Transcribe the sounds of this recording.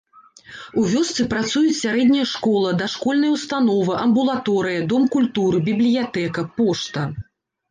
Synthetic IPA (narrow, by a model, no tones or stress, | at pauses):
uvʲɔst̪sɨpɾat̪sujut͡sʲsʲaɾɛd̪ʲnʲɐjɐʂkɔlˠɐd̪ɐʂkɔlʲnɐjwst̪anɔvɨʔɐmbulˠat̪ɔɾɨjɐd̪ɔmkulʲt̪uɾɨbʲiblʲijat̪ɛkɐpɔʂt̪ɐ